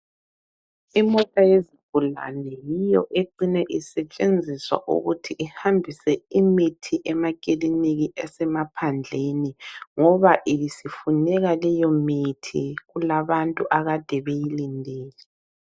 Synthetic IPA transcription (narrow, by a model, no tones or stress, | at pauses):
imɔtʼajezib̥ʱula̰nɛjijɔʔeǃinɛʔisɛt͡ʃʼend͡zʱiswa̰ʔṵɣutʰiʔihambʱisɛimitʰiʔɛmakʼiliniɣiɛsɛmapʰand͡ɮʱeniŋɔβaʔijisifunɛɣalɛjɔmitʰḭɣulaβantʼuʔaɣad̥ʱɛβejilindʱeːlɛ